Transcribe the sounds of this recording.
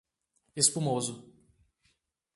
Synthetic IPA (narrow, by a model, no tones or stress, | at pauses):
espumozʊ